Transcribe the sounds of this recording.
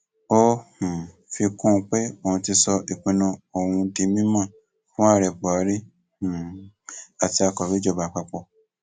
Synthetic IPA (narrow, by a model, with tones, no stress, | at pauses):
o˦hũ˨ | fi˧kũ˦˧k͡pe˦o˨ũ˧ti˧sɔ˧ʔi˨k͡pĩ˧nũ˧o˨wũ˧di˧mĩ˦mã˦˨ | fũ˦a˦˨ɾɛ˨k͡pɔ˨a˨˦ɾi˦ | hũ˨ | a˨ti˧a˧kɔ˨bi˦d͡ʒɔ˦˧˨ba˧˨k͡pa˧k͡pɔ˧˨